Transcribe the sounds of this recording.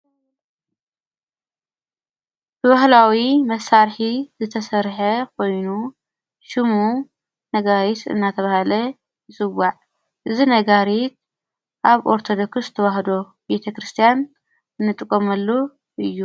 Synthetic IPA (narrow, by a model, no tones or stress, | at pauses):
b̥ɨβɐhlawimɐsːaɾħizɨt̪ʰɐsɐɾħɐkʰo̞jnu | ʃɨmu | nɐɡaɾit̪ɨ̰nːat̪ʰɐβahlɐ | ɨsʼɨwaʕ | ʔɨzinɐɡaɾit̪̚ | ʔaβʔoɾt̪ʰo̞d̪okɨst̪ʰɐwaɦd̪o̞ | bet̪ʰɐkɾɨst̪ʰijan | ɨnːɨt̪ʼɨkʼːomɐlːu | ʔɨjːu